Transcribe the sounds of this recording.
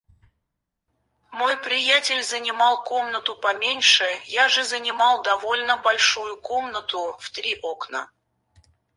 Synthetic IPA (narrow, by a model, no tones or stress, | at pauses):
mo̞jpɾʲɪjætʲɪlʲzənʲɪmɑlˠko̞mnət̪ʊpɐmʲenʲʂɨjaʐɨzənʲɪmɑlˠd̪ɐvo̞lʲnəbɐlʲʂujʊko̞mnət̪ʊft̪ɾʲiʔo̞knə̰